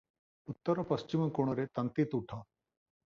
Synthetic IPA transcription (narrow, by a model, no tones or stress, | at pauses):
ʊt̪ːəɾɔpɐst͡ʃiməkoɽ̃oɾet̪ɐnt̪it̪uʈʰãː